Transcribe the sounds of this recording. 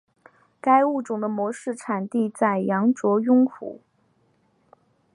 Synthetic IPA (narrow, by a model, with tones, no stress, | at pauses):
ka˥ɪu˥˩ʈ͡ʂʊ˨˩ŋd̪ə˦mwɔ˧˥ʂɻ̩˥˩ʈ͡ʂʰa˨˩nt̪i˥˧t͡sa˥˩ɪjɑ˧˥ŋʈ͡ʂwɔ˧˥jʊ˥ŋkʰṵ˨˩˦